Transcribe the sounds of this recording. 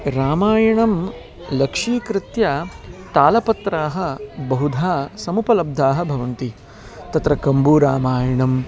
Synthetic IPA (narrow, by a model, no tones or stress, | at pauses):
ɾaːmaːjɐɳɐm | lɐkʂiːkɾɪt̪ja | t̪aːlɐpɐt̪ɾaːɦɐ̆bɐɦud̪ʱaːsɐmupɐlɐb̚d̪ʱaːɦɐbʱɐʋɐnt̪i | t̪ɐt̪ɾɐkɐmbuɾaːmaːjɐɳɐm